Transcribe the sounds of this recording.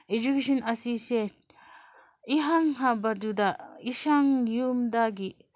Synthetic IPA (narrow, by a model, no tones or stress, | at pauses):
ed͡ʒukesɔnʔɐsise | iɦaŋɦabɐdudaisaŋjumdaɡi